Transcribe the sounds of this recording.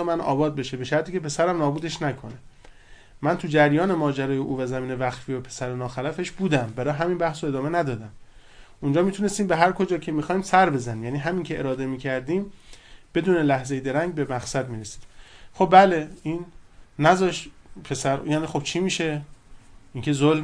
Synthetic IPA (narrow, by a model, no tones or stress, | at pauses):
mænʔɒ̰ːbɒːd̪̚be̞ʃebe̞ʃæɾt̪ʰiːkcʰe̞pe̞sæɾæmnɒːbuːd̪e̞ʃnækʰo̞ne̞ | mænt̪ʰud͡ʒæɾjɒːne̞mɒːd͡ʒæɾɒːjeʔuːvæzæmiːne̞væxfiːopʰe̞sæɾenɒːxælæfe̞ʃbuːd̪æmbæɾɒːɦæmiːnbæhsoe̞d̪ɒːme̞næd̪ɒːd̪æm | ʔund͡ʒɒːmit̪ʰune̞st̪iːmbeɦæɾkʰo̞d͡ʒɒːcʰe̞mixɒːiːmsæɾbe̞zæniːmjæniːɦæmiːncʰe̞ʔeɾɒːd̪e̞miːcʰæɾd̪iːmb̥e̞d̪uːne̞læhze̞jed̪e̞ɾæɲɡ̚bemæxsæd̪miːɾesi̥ːd̪̥xo̞b̚bæle̞iːnːæzɒːʃpʰe̞sæɾjæːnixo̞bt͡ʃʰiːmiːʃe̞ | ʔiːŋcʰe̞zol